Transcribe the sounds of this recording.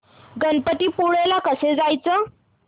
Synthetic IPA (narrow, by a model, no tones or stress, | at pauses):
ɡənpəʈ̪iːpuɽelakəsed͡zajt͡sə